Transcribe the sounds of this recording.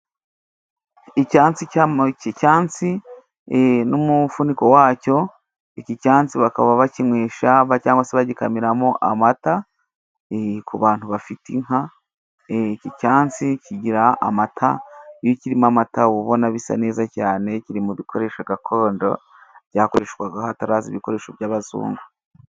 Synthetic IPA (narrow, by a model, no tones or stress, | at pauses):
icaːnt͡sicicaːnt͡si | nomufuniko̞waːco̞ | icicaːnt͡siβakaβaβaciŋweːʃaβacaːŋɡwaseβaɟikamiɾamoʔa̰mata | kuβaːntuβafitiŋ̥ha | cicaːnt͡siciɟiɾaa̰matʰa̰jociɾimamataβuβo̞naβisa̰ne̞ːzacaːne̞ciɾimuβikʰo̞ɾe̞ːʃaɡakʰo̞ːndo̞̰ | βɟaːko̞ɾeʃɡwaɡaataɾaːzḭβiko̞ɾe̞ːʃoβjaːβazṵːŋɡa